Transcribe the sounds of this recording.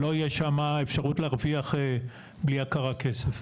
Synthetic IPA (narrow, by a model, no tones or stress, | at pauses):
lo̞ijeʃamaefʃaʁutleaʁviaχe | bliakaʁake̞sef